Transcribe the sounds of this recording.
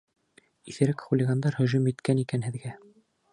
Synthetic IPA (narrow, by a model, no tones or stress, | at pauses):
iθɘ̆ɾɘkχulʲɪɡand̪ɑɾhɵ̆ʒumɘt̪kænikænɦɘ̆ðɡæ